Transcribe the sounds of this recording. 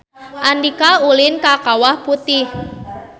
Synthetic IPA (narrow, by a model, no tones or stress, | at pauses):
ʔandikaulɪnkakawahput̪ɪh